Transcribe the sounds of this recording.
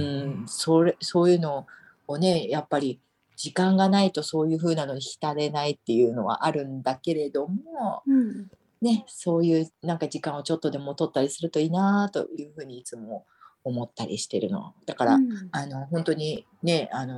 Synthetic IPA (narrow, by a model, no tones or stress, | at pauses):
ɯ̟̃so̞ɾeso̞ːjɯ̟no̞ː | ne̞japːaɾʲi | d͡ʑikãŋɡanait̪o̞so̞ːjɯ̟ːɸɯ̟ːnano̞ɲʲiçʲi̥t̪aɾe̞nait̪ːe̞jɯ̟ːno̞βa̰ʔaɾɯ̟̃nd̪ake̞ɾe̞d̪o̞mo | ne̞so̞ːjɯ̟ːnãŋkad͡ʑikãɰ̃o̞t͡ɕo̞t̪ːo̞d̪e̞mo̞t̪o̞t̪ːaɾʲisɨɾɯ̟t̪o̞iːnaːt̪o̞̰jɯ̟ːɸɯ̟ːɲ̟iːt͡sɨmo̞ː | mo̞t̪ːaɾʲḭɕi̥t̪e̞ɾɯ̟̰no̞̰βa̰d̪̥akaɾa̰ano̞ɦõ̞nt̪o̞ɲ̟i | ne̞ano̞